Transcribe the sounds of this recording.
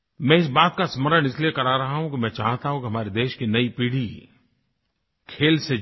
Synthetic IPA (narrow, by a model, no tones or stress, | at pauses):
mɛ̃ːɪs̬baːt̪̚kasməɾəɽ̃ɪsliekɐɾaɾɐɦaɦũkimɛ̃ːt͡ʃaːɦt̪aɦũkiɦɐmaːɾed̪eːʃkinɐipiːɽ̤i | kʰeːlse